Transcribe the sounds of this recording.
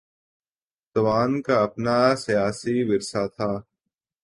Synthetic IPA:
t̪ɐʋaːnkaːɐpnaːsijaːsiːʋɪɾsaːt̪ʰaː

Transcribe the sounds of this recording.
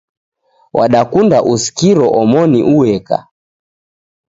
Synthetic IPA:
wʔaɗakundaʔuskiɾɔʔɔmɔnḭʔuwɛka̰

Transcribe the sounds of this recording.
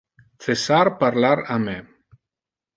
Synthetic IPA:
θesaɾpaɾlaɾame

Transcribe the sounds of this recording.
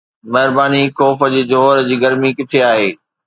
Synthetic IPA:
mɐɦɪɾbaːnikɔːfəd͡ʑiːd͡ʑoɦɾd͡ʑiːɡɐɾmikɪt̪ʰeaːɦeː

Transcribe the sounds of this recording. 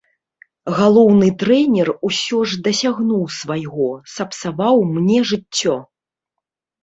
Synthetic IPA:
ɣalˠɔwnɨt̪ɾɛnʲɛrusʲɔʐd̪ɐsʲaɣnuwsvajɣɔsɐpsavawmnʲɛʐɨt͡sʲːɔ

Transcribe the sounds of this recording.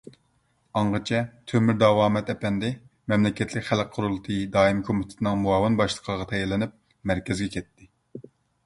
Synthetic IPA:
ɑɴʁət͡ʃʰɛt̪ʰømyɾd̪ɑwɑːmɛt̪ɛpɛnd̪ɪ | mɛmlɪkʲɛt̪ʰlɪkʲχælq̚qʰːʊɾulˠɨt̪ʰɨd̪ɑːimkʰomɪt̪ʰɪ̥t̪ʰɨnɨŋmuɑːwɨnbɑʃlˠə̥qʰəʁɑt̪ʰɛjɛlːɪnɪp̚ | mæɾkʲʰɛzɡʲɛkʲʰɛt̪ʰːɪ

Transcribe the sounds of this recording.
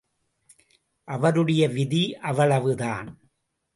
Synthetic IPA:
ʔɐʋɐɾɯɽɐjɐʋɪðiʔɐʋɐɭɐʋɯðaːn

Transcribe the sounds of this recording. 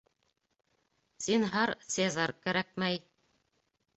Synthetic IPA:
sinɦɑɾsezɑɾkæɾæk̚mæj

